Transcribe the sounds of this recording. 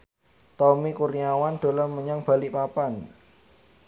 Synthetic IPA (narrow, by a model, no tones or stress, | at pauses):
t̪ɔmikuriawand̪̥o̤lɔrməɲaŋb̥a̤lipapan